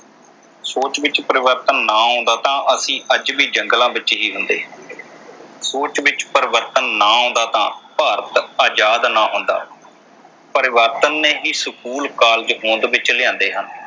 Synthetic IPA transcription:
soːt͡ʃʋɪt͡ʃpəɾɪʋəɾt̪ənːaːɦõːnd̪aːt̪ãːʔəsĩːʔəd͡ʒbiːd͡ʒəŋɡlãːbɪt͡ʃːɦiːɦʊnd̪ḛː | soːt͡ʃʋɪt͡ʃpəɾɪʋəɾt̪ənːaːɦõːnd̪aːt̪ãːpaːɾət̪aːd͡ʒaːd̪naːɦʊ̃nd̪a̰ː | pəɾɪʋəɾt̪ənːeːɦiːsəkuːlkaːld͡ʒəkõːnd̪ʋɪt͡ʃlɪjãːnd̪eːɦən

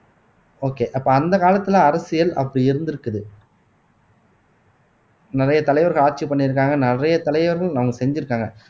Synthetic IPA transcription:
oːkeːʔɐpːoːɐnd̪ɐkaːlɐt̪ːɯlãɐɾɐsɪjɐlɐ̰pːɐɽiɪɾɯnd̪ɪɾɯkːɐðɯ | nɪrɐjɐt̪ɐlɐɪʋɐɾɣɐɭaːɾ̚t͡ʃipːɐɳːɪɾɯk̬ːaːŋɡɐnɪrɐjɐt̪ɐlɐɪʋɐɾɣɐɭnɐʋɐŋɡɐsɛɲd͡ʒɪɾɯkːaːŋɡɐ

